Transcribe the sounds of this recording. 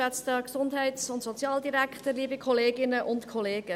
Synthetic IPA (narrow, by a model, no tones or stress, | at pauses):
ɛt͡stəksʊndɦɛɪtsʊntsɔt͡sjɑːldiɾækχtəɾliːbikʰɔleːɡɪnəʔʊntkʰɔleːɡ̥ə